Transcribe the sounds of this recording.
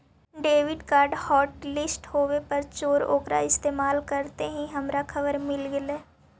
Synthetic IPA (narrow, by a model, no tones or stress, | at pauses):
ɖeːʋɪɖkaːɾɖhɔːʈlɪsʈhoːwepɐɾt͡ʃoːɾo̰ːkɾa̰ɪst̪eːmaːlkɐɾt̪eɦĩɦɐmɾakʰɐbəɾmɪlɡɪleː